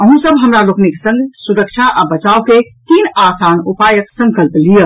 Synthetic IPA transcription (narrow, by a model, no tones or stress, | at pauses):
əɦũsəbɦəmɾalokneke̥sə̃ŋɡsuɾək̚t͡ʃʰaʔabət͡ʃauwket̪inasanupajəksə̃ŋkəlplijə